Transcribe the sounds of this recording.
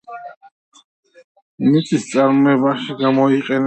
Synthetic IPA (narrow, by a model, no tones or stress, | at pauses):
mit̪sʰist̪sʼaɾmɔɛbaʃiɡamɔiqʼɛn